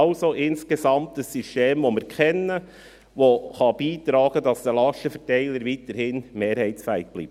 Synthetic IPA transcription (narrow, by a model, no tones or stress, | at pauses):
ɑʊsoʔɪnskesɑmtəsːysteːmʋomɪɾkʰχɛnə | ʋoχɑb̥iːt̪ɾɑːɡ̥ədɑsd̥̪əlɑʃəfɛtɛɪləɾʋiːt̪əɾhɪnmeːɾhæɪtsfæɪt̚b̥lḭːp̚